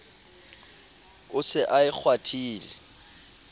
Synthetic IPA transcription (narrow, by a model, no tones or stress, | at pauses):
ʊsɪʔaɪk͡xʰwatʰiːlɪ